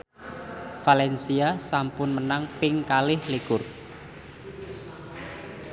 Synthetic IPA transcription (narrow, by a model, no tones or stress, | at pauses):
falɛnsiasampʊnmənaŋpɪŋkalɪhlikʊr